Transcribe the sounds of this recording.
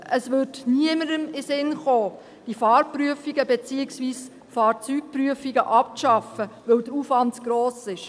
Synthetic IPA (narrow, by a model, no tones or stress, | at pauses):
əsʋʏɾtniəməɾəmɪsɪnχoː | d̥ifɑːɾpryəfiɡəbɛt͡siːɪksʋiːs | fɑːɾt͡syːk̚pryəfiɡəʔɑp̚ʃɑfəʋɛwdəufʋɑntɡ̥ɾoːsɪʃ